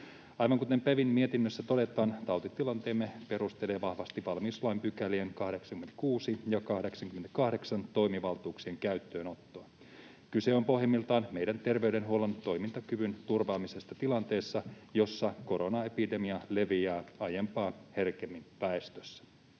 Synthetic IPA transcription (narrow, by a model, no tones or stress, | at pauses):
ɑjʋɑŋkut̪empæʋinmie̞t̪inːøsːæt̪o̞det̪ˑɑːnt̪ɑwt̪it̪ːilɑnt̪e̞ːmːepe̞ɾust̪eleːʋɑhʋɑst̪iʋɑlmislɑjmpykælieŋkɑhde̞ksɑŋkyment̪æ̥kuːsijɑkɑhde̞ksɑŋkyment̪ækɑhdeksɑnt̪o̞jmiʋɑlt̪uːksie̞ŋkæyɥt̪ːøːno̞t̪ːoɑ | kyse̞o̞mpo̞ɦjemːilt̪ɑːnme̞jdænt̪e̞rʋe̞yde̞nɦuo̞lont̪o̞jmint̪ɑkyʋynt̪urʋɑːmise̞st̪ɑt̪ilɑnt̪e̞ːsːɑjo̞sːɑko̞ɾo̞nɑe̞pide̞miɑle̞ʋiæːɑjempɑːhe̞rkemːimpæest̪øsːæ̥